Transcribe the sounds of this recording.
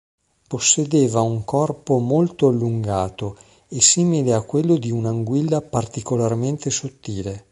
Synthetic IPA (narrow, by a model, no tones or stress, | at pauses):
posːed̪eːvauŋkɔrpomolt̪oalːuŋɡaːt̪o | esiːmileakːwelːod̪iunaŋɡwilːapart̪ikolarment̪esot̪ːiːle